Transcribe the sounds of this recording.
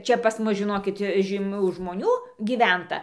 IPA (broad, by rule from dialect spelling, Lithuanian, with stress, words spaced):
ˈt͡ʃʲɛ pɐs ˈmʊs ʒʲɪˈnoːkʲɪt ʒʲiːˈmʲuː ʒmoːˈnʲuː ɡʲiːˈʋʲɛntɐ